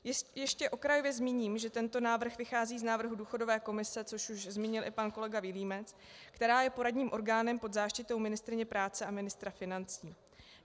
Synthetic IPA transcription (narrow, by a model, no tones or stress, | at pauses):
jɛʃcɛʔo̞kɾajo̞vjɛzmiːɲiːmʒɛt̪ɛnt̪o̞naːvr̩xvɪxaːziːznaːvr̩ɦuduːxo̞do̞vɛːko̞mɪsɛt͡so̞ʃuʒzmiːɲɪlʔɪpanko̞lɛɡavɪliːmɛt͡s | kt̪ɛɾaːjɛpo̞ɾadɲiːmʔo̞ɾɡaːnɛmpo̞d̪zaːʃcɪt̪o̞wmɪnɪst̪ɾɪɲɛpɾaːt͡sɛʔamɪnɪst̪ɾafɪnant͡siː